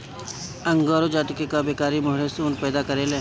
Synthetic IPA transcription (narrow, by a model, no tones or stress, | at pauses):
ɐ̃ŋɡoːɾod͡ʒaːt̪ikekabeːkaːɾimʊɦɽesuːnpɛːd̪akɐɾeːlẽ